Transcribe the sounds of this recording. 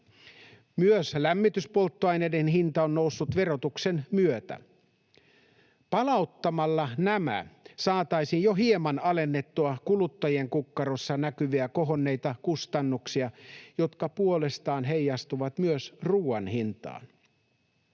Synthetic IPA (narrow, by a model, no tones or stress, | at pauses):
myøslæmːit̪yspo̞lt̪ːoɑjnejdenɦint̪ɑonːousːut̪ʋe̞ro̞t̪uksenmyøt̪æ̰ | pɑlɑut̪ːɑmɑlːɑnæmæ̰sɑːt̪ɑisinjoɦiemɑnɑle̞nːe̞t̪ːuɑkulut̪ːɑjieŋkukːɑɾosːɑnækyʋiæko̞ɦonːe̞jt̪ɑkust̪ɑnːuksiɑjo̞t̪kɑpuole̞st̪ɑːnɦe̞jːɑst̪uʋɑt̪myøsruːɑnhint̪ɑ̰ːn